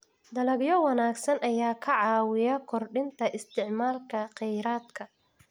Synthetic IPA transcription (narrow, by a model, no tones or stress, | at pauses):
d̪ɐlɐɡjɔwɐnaːɡsɐnʔɐjaːkʰɐʕɑːwɪjɐkʰɔrɖɪnt̪ʰɐʔɪst̪ʰɪʕmaːlkʰɐqɛjɾaːd̪kʰɐ